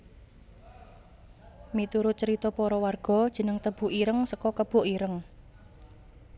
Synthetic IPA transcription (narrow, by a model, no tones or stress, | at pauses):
mit̪uɾʊt͡ʃəɾit̪ɔpɔɾɔwarɡ̥ɔ̤d̥ʒ̥ə̤nəŋt̪əb̥ṳʔiɾəŋsəkɔkəb̥ṳʔiɾəŋ